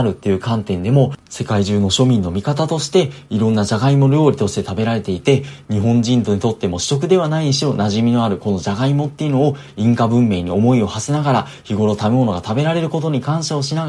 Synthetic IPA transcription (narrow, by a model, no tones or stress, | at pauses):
ɾɯ̟t̪ːe̞jɯ̟kãnt̪ẽ̞nd̪e̞mo̞se̞kaiʑɨːno̞ɕo̞mʲĩnːo̞mʲikat̪at̪o̞ɕi̥t̪e̞iɾõ̞nːaʑaɡaimo̞ɾʲo̞ːɾʲit̪oɕi̥t̪e̞t̪abe̞ɾaɾe̞t̪e̞it̪e̞ɲ̟iɦõ̞ɲd͡ʑĩnt̪o̞ɲ̟it̪o̞t̪ːe̞mo̞ɕi̥t͡ɕo̞k̬ɯ̟d̪e̞βanaiɲiɕio̞naʑimʲino̞aɾɯ̟ko̞no̞ʑaɡaimo̞t̪ːe̞jɯ̟no̞ː | ĩŋkabɯ̟̃mːe̞ːɲ̟io̞mo̞io̞hasenaɡaɾa | çiɡo̞ɾo̞t̪ame̞mo̞no̞ɡat̪abe̞ɾaɾe̞ɾɯ̟ko̞t̪o̞ɲ̟ikãɰ̃ɕao̞ɕina